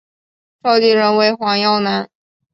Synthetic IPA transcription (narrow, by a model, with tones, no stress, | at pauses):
ʂɑ˥˧ʊt̪i˥˩ɻə˧˥nwe˧˥ɪxwɑ˧˥ŋjɑ˥˩ʊna˧˥n